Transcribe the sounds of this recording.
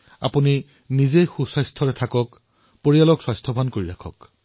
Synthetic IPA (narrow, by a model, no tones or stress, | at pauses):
a̰puni | nizejxusɔjstʰɔɹɛtʰakɔk | poɹijalɔkswajstʰɔbʱɔnkoɹiɹakʰɔ̰k